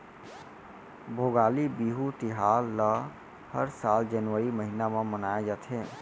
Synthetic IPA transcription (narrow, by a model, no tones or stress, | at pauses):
bʱoɡalibiɦut̪iɦalːə | həɾsald͡ʒənʋəɾiməɦinamemənajd͡ʒət̪ʰɦẽ